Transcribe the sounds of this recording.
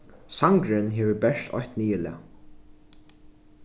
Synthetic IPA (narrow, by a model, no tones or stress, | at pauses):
saŋkɾɪnɦeːʋəbɛʂt̪ʰɔ̰jht̪niːɪlɪ̰a̰